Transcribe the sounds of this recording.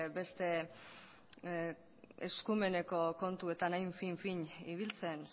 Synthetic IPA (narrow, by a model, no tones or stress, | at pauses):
be̞st̪e̞ | eskume̞ne̞ko̞ko̞nt̪ue̞t̪anajɱfiɱfiɲiβilt͡sen